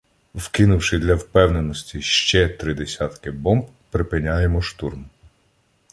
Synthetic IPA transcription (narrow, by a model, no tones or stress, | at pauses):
wkɪnʊwʃɪd̪lʲɐwpɛwnenɔsʲtʲiʃt͡ʃɛt̪ɾɪd̪esʲɑt̪kɪbɔmb | pɾɪpɪnʲajemɔʃt̪urm